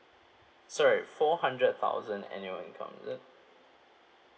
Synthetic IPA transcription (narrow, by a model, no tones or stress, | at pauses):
sɔɹifɔhãndɹət̪̚θʰa̰ʊzə̃nɛ̰̃njuə̃nkʰɔ̰̃mzə̃n